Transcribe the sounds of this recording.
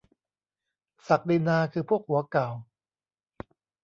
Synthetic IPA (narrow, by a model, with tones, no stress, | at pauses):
sa˨˩k̚di˧naː˧kʰɯː˧pʰu˥˩ək̚hu˩˦ɐka˨˩w